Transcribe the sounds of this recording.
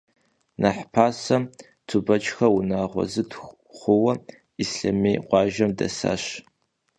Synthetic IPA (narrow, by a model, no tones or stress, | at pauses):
nʔaħpʰaːsɐm | tʰubɐt͡ʃʼxɐwʊnaːʁʷɔ̰zɨtʰ | χʷʊwɐ | isɬɐmeːqʷɑːʒɐmdɐ̰sa̰ːɕ